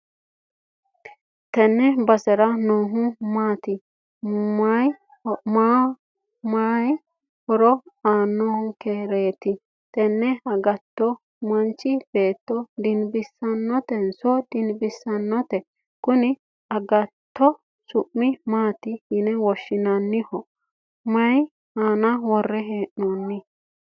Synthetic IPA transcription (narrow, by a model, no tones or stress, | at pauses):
t̪ɛnːɛbɐsɛɾɐnoːɦʊmaːt̪ɪ | maj | maː | maːj | hɔɾɔaːnːɔːhʊkeɾeːt̪ɪ | t̪ɛnːɛɐɡɐt̪ːɔ | mɐnt͡ʃːɪb̥e̞ːt̪ːɔd̪ɪnbɪsːɐnːɔt̪ɛnsɔd̪ɪnbɪsɐnːɔt̪ɛ | kʊnɪ | ɐɡɐt̪ːɔ | sʊʔːɪmaːt̪ɪhɪnɛwɔʃːɪnɐnːɪhɔ | mɐj | haːnɐwɔrːɛɦeːʔnɔnːɪ